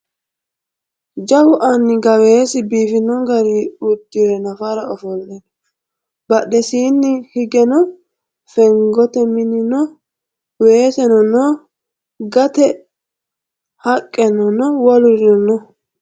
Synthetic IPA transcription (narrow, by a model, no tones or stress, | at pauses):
d͡ʒɐwʊʔɐnːɪɡɐweːsɪbiːfɪnɔɡɐɾiʊd̪ːɪɾɛnɐfaɾɐɔfɔlːɛnɔ | bɐɗɛsiːnːɪhɪɡɛnɔ | fɛŋɡɔt̪ɛmɪnɪnɔ | weːsɛnɔnɔ | ɡɐt̪ɛ | hɐkʼːɛnɔnɔwɔlʊɾɪnɔnɔ